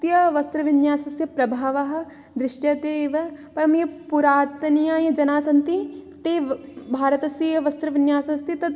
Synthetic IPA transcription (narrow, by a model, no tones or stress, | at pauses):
t̪jɐʋɐst̪ɾɐʋɪnjaːsɐsjɐpɾɐbʱaːʋɐɦɐ̆ | d̪ɾɪʃʈjɐt̪eːʋɐpɐɾɐmjɐpuɾaːt̪nijaːjɐd͡ʒɐnaːsɐnt̪it̪eːbʱaːɾɐt̪ɐsjɐjɐʋɐst̪ɾɐʋɪnjaːsɐst̪it̪ɐt̪